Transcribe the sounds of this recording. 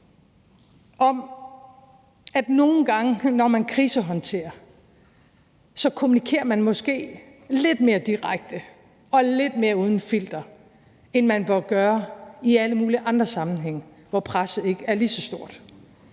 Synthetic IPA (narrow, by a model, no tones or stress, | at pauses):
ʔɒ̽m | æd̥no̝ːn̩ɡ̥ɑ̈ŋənɒmænkʰʁiːsəɦɒ̽nt͡sʰe̝̰ːɐ | sɒ̽kʰo̝munikʰe̝̰ːɐmænmɒ̽sɡ̥e̝̰ː | le̝d̥me̝ːɐd̥iʁaɡ̥̚d̥ə | ɒ̽le̝d̥me̝ːɐuːð̞ˠn̩fil̰d̥ɐ | enmænʋɑɡ̥ɶːɐiæləmuːliʔɑ̈nd̥ʁɐsɑ̈mn̩ɦeŋ̰ | ʋɒpʰʁasð̩ˠe̝ɡ̥əæɐlisɒ̽sd̥o̝ɐ̰d̥